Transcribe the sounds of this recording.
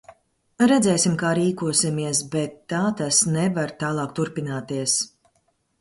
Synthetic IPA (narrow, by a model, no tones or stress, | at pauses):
ɾɛd̪zɛːsimkaːɾiːkuɔsimiɛs̬bɛt̪ːaːt̪asnɛvaɾt̪aːlˠɑːk̚t̪uɾpinaːt̪iɛs